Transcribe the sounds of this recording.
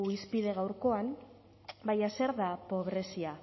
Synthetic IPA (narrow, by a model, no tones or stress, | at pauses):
uispiðe̞ɣ̞awɾko̞am | bajase̞ɾðapo̞β̞ɾe̞sia